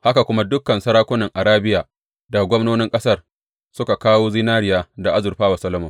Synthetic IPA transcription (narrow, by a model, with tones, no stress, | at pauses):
ha˦ka˨kʷʊ˦ma˦dʊ˦kːɐ˨nsɐ˦ɾaː˦kʷʊ˦nɐ˨ŋʔa˨ɽaː˦bɪ˦jaː˨ | da˨ɡʷɔ˦mnoː˦nɪ˦ŋkʼɐ˦sɐ˦˨r | sʊ˦ka˨kaː˦woː˦zi˦naː˦ɾɪ˦jaː˦da˨ʔa˦zʊ˨ɸaː˦wa˨sɐ˦lɐ˦mɔ˨m